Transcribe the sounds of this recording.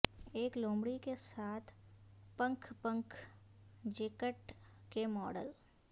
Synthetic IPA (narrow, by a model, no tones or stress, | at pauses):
eːklõːmbɽikesaːt̪ʰpə̃ŋkʰpə̃ŋkʰ | d͡ʒeːkəʈkemɔːɖə̰l